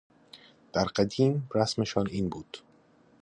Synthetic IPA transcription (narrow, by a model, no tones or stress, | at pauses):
d̪̥æɾɢæd̪iːmɾæsmeʃɒːniːnbuːd̪̥